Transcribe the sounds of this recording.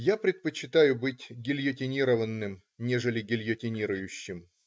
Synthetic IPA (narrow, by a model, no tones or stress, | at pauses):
japɾʲɪt̪̚pət͡ɕːɪt̪ajʊbɨtʲɡʲɪlʲjətʲɪnʲiɾəvənːɨm | nʲeʐəlʲɪɡʲɪlʲjətʲɪnʲiɾʊjʉɕːɪm